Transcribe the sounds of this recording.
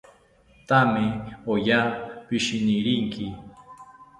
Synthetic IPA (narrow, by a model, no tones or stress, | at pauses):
t̪amɪojaːpɪʃɪnɪɾiŋkʰɪ